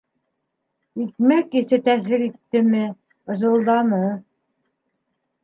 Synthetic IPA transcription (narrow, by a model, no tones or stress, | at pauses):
ik̪mækɘθɘt̪æθɘɾit̪ːɘ̆mɘ | ɤ̆ʒɤ̆lˠd̪ɑnɤ